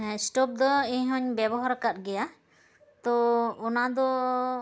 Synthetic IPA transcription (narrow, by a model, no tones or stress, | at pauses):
sʈɔp̚d̪ɔiɲɦɔɲbɛbɔɦaɾkat̪̚ɡɛja | t̪ɔɔnad̪ɔ